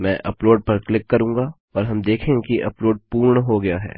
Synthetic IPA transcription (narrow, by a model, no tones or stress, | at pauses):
mɛ̃ːʔɐploːɖ̚pɐɾklɪkːɐɾũːŋɡa | ɔːɾɦɐmd̪eːkʰẽkiʔɐploːɖ̚puːɾɳɦoɡɐjaɦɛ̰ː